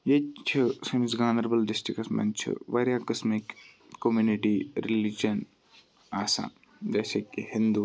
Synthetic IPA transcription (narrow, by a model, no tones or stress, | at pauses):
jet͡ʃʰisɐmsɡaːnɐɾbɐlɖɪsʈɾikɐsmɐ̰nt͡ʃʰɨ̰ʋɐɾjaːkɐsmikː | omjuniʈiɾilid͡ʒɐn | aːsa̰ːn | d͡ʒɐːsekihɪ̃nd̪u